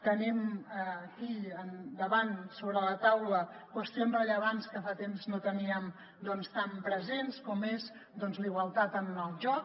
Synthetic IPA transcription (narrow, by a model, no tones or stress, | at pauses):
t̪əniməːkiənd̪əβansoβɾələt̪awləkwəst̪ionzrəʎəβanskəfat̪emznot̪əniəm | d̪ɔnst̪ampɾəzenskɔmes | d̪ɔnzliɣwəlˠt̪at̪ənəlˠʒɔk̚